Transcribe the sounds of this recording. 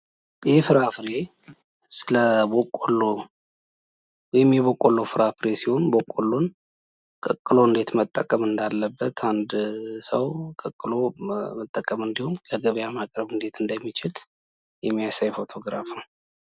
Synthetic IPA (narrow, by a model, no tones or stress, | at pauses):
jɪhefɨɾafɾe̞ | sɨləbokʼːolːo | wɔjɛmːjɛβokʼːolːofɨɾafɾe̞siho̞nbokʼːolːon | kʼəkʼːɨlo̞ɨnd̪e̞t̪mət̪ʼːəkʼəmɨnd̪alːəbːət̪ʰand̪səwkʼəkʼːɨlo̞mət̪ʼːəkʼəmɨnd̪ihumləɡəβjamakʼɾəβɨnd̪e̞t̪ʰɨnd̪əmːit͡ʃɪl | jɛmːijasajfo̞t̪ʰo̞ɡɾa̰fnəw